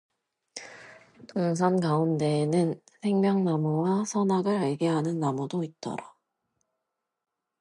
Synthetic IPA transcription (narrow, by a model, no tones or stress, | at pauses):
tʰoŋs̬ʰankaunde̞nɯnsʰe̞ŋmjʌŋnamuwasʰʌnaɡɯɾaɭɡeɦanɯnːamudoit̚t͈ʌ̰ɾa